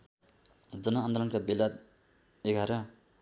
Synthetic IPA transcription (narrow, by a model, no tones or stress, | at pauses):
d͡zʌnʌːnd̪olʌnkabelad̪̚ | eɡʱaɾʌ